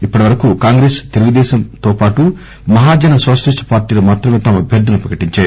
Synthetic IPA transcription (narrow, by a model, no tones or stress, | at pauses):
ipːɐʈiʋɐɾɐkukaːŋɡɾeːst̪eluɡud̪ɛːʃɐmt̪oːpaːʈu | mɐɦaːd͡ʒɐnɐsoːʃɐlisʈpaːɾʈiːlɐmaːt̪ɾɐmeːt̪ɐmɐbʱeɾd̪ɐnɐpɾɐkɐʈiɲt͡ʃaː